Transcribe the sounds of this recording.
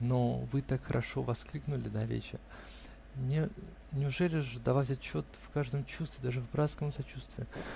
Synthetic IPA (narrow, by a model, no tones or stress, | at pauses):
novɨt̪akxəɾʔɐ̰ʂo̞vɐsklʲiknʊlʲɪd̪avʲḛt͡ɕɪ̰ | nʲe | nʲɪʊʐɛlʲɪʐɨd̪ɐvatʲat̪t͡ɕːo̞t̪fkaʐd̪əmt͡ɕust̪vʲɪd̪aʐɨvbɾat̪skəmsɐt͡ɕust̪vʲɪɪ